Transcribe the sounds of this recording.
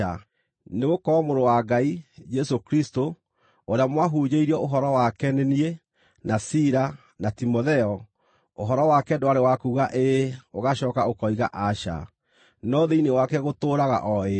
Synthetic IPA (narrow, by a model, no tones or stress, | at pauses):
a | neɣokɔmoɾowaɡaid͡ʒɛsokɾisto | oɾeamwaɦuːɲeiɾiɔʔoɦɔɾɔwakɛnenie | nasiɾa | natimoðɛɔ | oɦɔɾɔwakɛdoaɾewakuːɣaʔeoɣaɕɔːkaokɔiɣa̰ʔaʃa̰ | nɔðeinewakɛɣotoːɾaɣa̰ʔɔe